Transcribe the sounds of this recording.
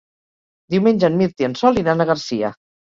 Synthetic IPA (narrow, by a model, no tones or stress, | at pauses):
d̪iwmenʲʒənmiɾt̪iənsɔlˠinanəɣəɾsiə̰